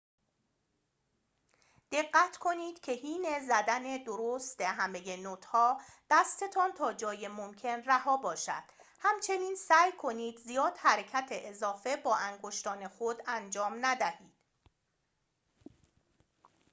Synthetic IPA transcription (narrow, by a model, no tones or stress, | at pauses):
d̪̥e̞ɢːæt̪ʰkʰo̞niːd̪̥cʰe̞hiːne̞zæd̪æne̞d̪oɾost̪eɦæme̞je̞not̪ʰhɒːd̪̥æst̪e̞t̪ʰɒːnt̪ʰɒːd͡ʒɒːje̞momcʰe̞nræhɒːbɒːʃæ̰d̪̥ | hæmt͡ʃʰe̞niːnsæːjkʰo̞niːd̪zijɒːd̪̥hæɾe̞cʰæt̪ʰeʔezɒːfe̞bɒːʔæŋɡoʃt̪ɒːne̞xod̪ænd͡ʒɒːmnæd̪æhiːd̪̥